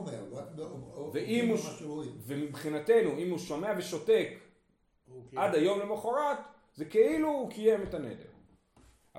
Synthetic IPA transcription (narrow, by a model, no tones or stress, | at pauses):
veʔimuvemibχinate̞nuimhuʃo̞me̞aveʃo̞te̞k | ʔad̪ajo̞mlemaχoʁat | zekeiluːkije̞metanḛdḛʁ